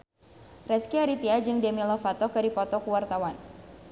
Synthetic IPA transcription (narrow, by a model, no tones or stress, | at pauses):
rɛskiaɾit̪iad͡ʒɨŋdɛmilɔfat̪ɔkɨɾipɔt̪ɔkuwart̪awan